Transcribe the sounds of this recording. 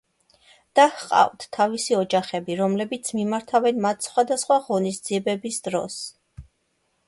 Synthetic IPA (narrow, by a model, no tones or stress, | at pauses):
d̪̥ahqʼa̰vd̪̥t̪ʰːavisiɔd͡ʒaχɛbiɾɔmlɛbit̪sʰmimaɾt̪ʰavɛnmat̪ʰsχwad̪asχwaʁɔnisd̪z̥iɛbɛbisd̪ɾɔs